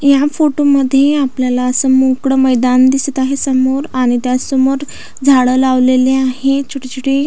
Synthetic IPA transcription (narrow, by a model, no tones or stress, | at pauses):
jafoʈoməd̪ʱːjeapljalaəsəmukɽəməjd̪and̪isət̪aɦesəmoɾaɽ̃it̪jasəmoɾ | d͡zʱaɭəlaʋleleaɦet͡ɕʰuʈet͡ɕʰuʈe